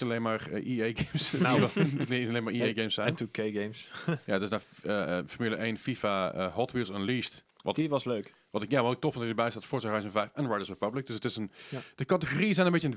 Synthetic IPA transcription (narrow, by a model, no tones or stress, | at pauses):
əleːnmaɹiejɡemss | tlileːnmaɹiejɡeːmsɛjntukeɡemsjaətɪsdaəfəmilˠəʔeːnfifaəhɔtʋilˠsənliːst | ʋɔtʋɔsløːk | ʋɔ̃ntɪkjaʋɔɪk̚tɔfɔndɔəbɛjstatfʊsarœjsnvɛjfɛnɹajdəsɹepablɪk̚d̥øsətɪsənd̥əkatəxoriəsɛjnəmbɪtjən